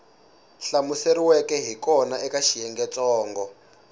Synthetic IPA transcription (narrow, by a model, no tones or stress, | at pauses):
ɬamuseriwɛkɛɦikɔnaʔɛkaʃijɛŋɡɛt͡sɔːŋɡɔ